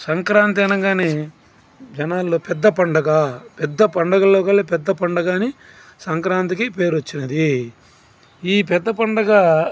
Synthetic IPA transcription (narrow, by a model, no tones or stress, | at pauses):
sɐŋkɾaːnt̪̬iɐnɐŋɡaːneː | d͡ʒɐnaːlːoːpɛd̪ːɐpɐɳɖɐɡɐpɛd̪ːɐpɐɳɖɐɡɐloːkɐlːepɛd̪ːɐpɐɳɖɐɡaːni | sɐŋkɾaːnt̪̬ikipe̞ːɾot͡ʃːinɐd̪i | iːp̬ɛd̪ːɐpɐɳɖɐɡɐ